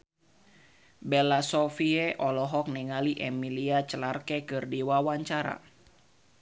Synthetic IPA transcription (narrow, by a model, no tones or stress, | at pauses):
bɛlasɔfiɛʔɔlɔɦɔk̚nɛŋaliʔɛmiliat͡ʃəlarkɛkɨrdiwawaɲt͡ʃaɾa̰